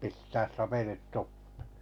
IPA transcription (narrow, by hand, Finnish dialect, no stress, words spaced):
pistæːs sɑpelit tupːe̥